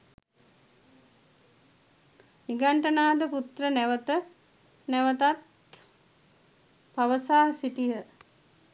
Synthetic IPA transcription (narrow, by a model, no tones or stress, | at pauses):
niɡaɳʈənaːd̪əput̪rənæʋət̪ə | nɛʋət̪at̪ | paʋəsaːsit̪ijə